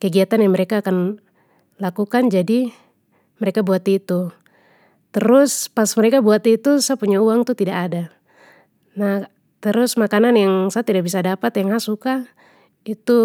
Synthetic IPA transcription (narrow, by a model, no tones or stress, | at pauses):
kɛɡiat̪anjaŋmɛɾekaːkan | lakukand͡ʒadi | mɛɾekabuat̪it̪u | t̪ɛɾʊspasmɛɾekabuat̪it̪usapuɲauaŋt̪ut̪idaʔada | nah | t̪ɛɾʊsmakananjaŋsaat̪idak̚bisadapat̪jaŋɦasuka | it̪u